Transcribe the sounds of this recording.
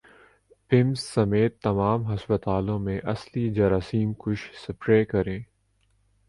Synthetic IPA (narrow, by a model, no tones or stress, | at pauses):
pɪmsːɐmeːt̪ːɐmaːmɦɐspət̪aːlõmẽʔɐslid͡ʒɐɾasiːmkʊʃsɐpɾeːkɐɾẽː